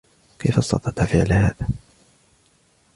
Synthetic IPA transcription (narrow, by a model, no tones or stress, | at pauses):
kʰajfast̪ɑ̰t̪ˤɑt̪afɪʕlha̰ːðaː